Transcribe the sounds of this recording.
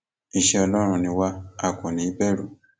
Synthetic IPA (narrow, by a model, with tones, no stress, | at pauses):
i˨ʃɔ˨lɔ˦ɾɔ˨ni˨wa˦a˨kɔ˨ni˨i˦pɛ˦ɺu˨